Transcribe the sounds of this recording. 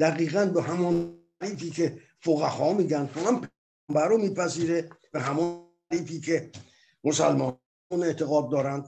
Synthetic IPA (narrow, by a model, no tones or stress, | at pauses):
d̪̥æɣiːɣænbeɦæmɒn | ɾiːfiːkʰe̞ | foɣæhɒːmiːɟænd̪hoænpʰejːmbæɾomiːpʰæziːɾeb̥eɦæmɒn | ɾiːfiːkʰe | mosælmɒː | une̞ʔt̪ʰeɣɒːd̪̚ːɒːɾænd̪̥̚